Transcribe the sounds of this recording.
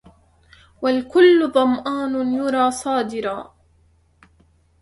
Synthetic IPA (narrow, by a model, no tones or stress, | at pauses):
walkʊlːʊðˤɑmʔaːnjʊɾˤɑːsˤɑːd̪ɪɾɑː